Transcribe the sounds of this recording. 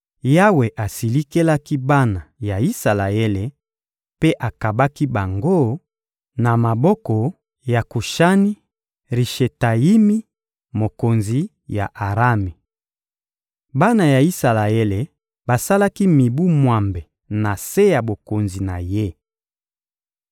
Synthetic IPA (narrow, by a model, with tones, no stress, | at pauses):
ja˦we˨ʔa˨si˨li˦ke˦la˦ki˦ba˦na˨ja˨i˦sa˨la˨e˦le˨ | pe˦ʔa˨ka˨ba˦ki˦ba˨ŋɡo˦ | na˨ma˨bɔ˦kɔ˨ | ja˨ku˨ʃa˦ni˦ | ʁi˨ʃe˨ta˨ji˦mi˦ | mo˨ko˨nzi˨ | ja̰˨ʔa˨ʁa˦mi˨ | ba˦na˨ja˨i˦sa˨la˨e˦le˨ | ba˨sa˦la˦ki˦mi˨bu˦mwa˨mbe˨ | na˨se˦ja˨bo˨ko˨nzi˨na̰˨je˦